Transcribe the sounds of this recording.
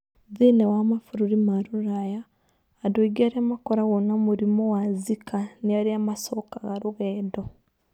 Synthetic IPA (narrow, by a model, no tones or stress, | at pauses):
ðinewamafuɾuɾimaɾuɾajaː | dwoiɡiaɾiamakoɾaɣonamuɾimowazikʰaniaɾiamasokaɣaɾuɣɛːdo